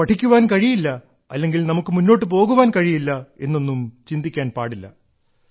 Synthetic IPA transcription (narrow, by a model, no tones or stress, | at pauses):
pɐʈʰikʲːuʋaːnkɐɻijilːɐ | ɐ̰lːe̞ŋɡilnɐmukːɨmunːo̞ːʈːɨp̬o̞ːɣuʋaːnkɐɻijilːɐe̞nːo̞nːumt͡ɕind̪ikʲːaːnpa̰ːɽilːɐ̰